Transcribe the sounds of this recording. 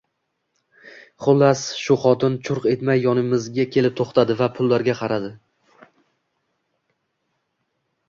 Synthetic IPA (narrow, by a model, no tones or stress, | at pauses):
χʊlˠːasʃʊχɒt̪ɪnt͡ʃʰʊɾqe̞t̪majːɒnɪmɪzɡʲakʲʰe̞lɪp̚t̪ʰoχt̪ʰad̪ɪvapʰʊlːaɾɡʲaqʰɑɾad̪ɪ